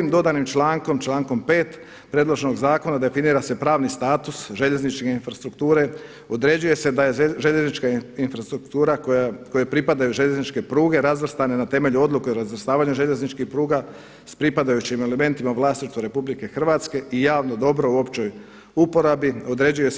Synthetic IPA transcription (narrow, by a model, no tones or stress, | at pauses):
iːmd̪o̞d̪animt͡ʃlaːŋko̞mt͡ʃlaːŋko̞mpe̞ːt̪ | pɾe̞d̪lˠo̞ʒeno̞ɡzaːko̞nad̪e̞finiːɾase̞pɾaːʋnist̪aːt̪usʒe̞ʎe̞znit͡ʃkeinfɾast̪ɾukt̪uːɾe̞ | o̞d̪ɾe̞d͡ʑuje̞se̞d̪ajeʒeʎe̞znit͡ʃkainfɾast̪ɾukt̪uːɾakoako̞jepɾipad̪ajuʒe̞ʎe̞znit͡ʃke̞pɾuːɡe̞ɾazʋr̩st̪ane̞nat̪e̞me̞ʎuo̞d̪lˠuke̞oɾazʋr̩st̪aːʋaɲuʒe̞ʎe̞znit͡ʃkixpɾuːɡa | spɾipad̪ajut͡ɕime̞le̞me̞nt̪imaʋlˠaːst̪iʃt̪ʋoɾe̞publike̞xr̩ʋaːt̪ske̞ʔijaːʋno̞d̪o̞bɾo̞uo̞pt͡ɕo̞j | upo̞ɾabio̞d̪ɾe̞d͡ʑuje̞